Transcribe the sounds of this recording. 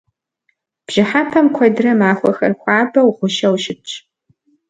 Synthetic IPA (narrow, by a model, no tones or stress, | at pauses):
b̥ʒ̥ɪħapʰɐmkʷʰɐdrɐmaːxʷɐxɐ̰rxʷaːbɐwʁʷʊʃɐwʃɪp̚t͡ʃʰʼ